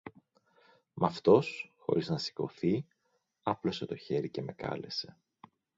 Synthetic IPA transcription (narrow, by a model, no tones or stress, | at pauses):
mɐft̪o̞sxo̞̰ɾʔiznɐsi̥ko̞̰θi | ɐplo̞se̞t̪o̞çe̞ɾice̞me̞kɐ̰le̞se̞